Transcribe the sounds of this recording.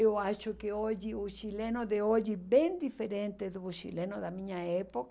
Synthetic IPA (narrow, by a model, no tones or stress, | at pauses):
ewaʃʊkɪoʒɪʊʃilenʊd̪eod͡ʒɪbẽŋd̪ifeɾẽnt̪ɪd̪ʊʃḭlẽnʊðɐmĩɲɐɛpok